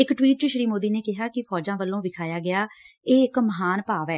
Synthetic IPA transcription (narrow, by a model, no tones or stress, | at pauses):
ɪkʈwiːʈ̚t͡ʃəʃɾiːmoːd̪iːneːkɪɦaːkɪpʰɔːd͡ʒãːʋəlːõːʋɪkʰaːjaːɡɪjaː | eːɪkməɦaːnpaːʋɛː